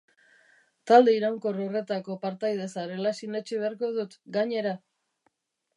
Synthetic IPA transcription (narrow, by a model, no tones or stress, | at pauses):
t̪ald̪e̞iɾawŋko̞rore̞t̪ako̞paɾt̪ajð̞e̞saɾe̞lasinet͡ʃiβ̞e̞aɾko̞ð̞ut̪ɡaɲe̞ɾa